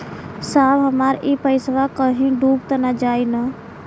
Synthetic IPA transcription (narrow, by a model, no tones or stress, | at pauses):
saːbɦəmaːɾipəɪsʋakəɦĩɖuːkt̪ənad͡ʒaːina